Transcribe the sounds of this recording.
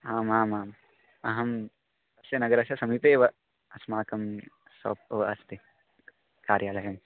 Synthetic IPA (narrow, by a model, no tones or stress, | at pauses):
ɦaːmaːmaːm | ɐɦɐm | ɐsjɐnɐɡɐɾɐʃjɐsɐmiːp̪eːʋɐ | ɐsmaːkɐm | sɐ̰p̚ʋɐɐst̪i | kaːɾjaːlɐjɐm